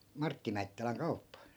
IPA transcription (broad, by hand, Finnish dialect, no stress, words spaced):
mɑrtːi mæitːælæŋ kɑupːɑ